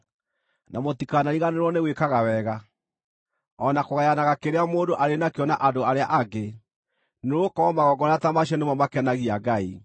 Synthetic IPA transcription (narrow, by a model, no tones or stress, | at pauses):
namotikanaɾiɣaneɾwɔneɣwekaɣawɛɣa | ɔnakoɣajanaɣakeɾeamoːndoʔaɾenakeɔnaʔandoaɾeaʔaɡe | neɾokɔmaɣɔɡɔnatamaɕ̬ɛnemamakɛnaɣiaɡai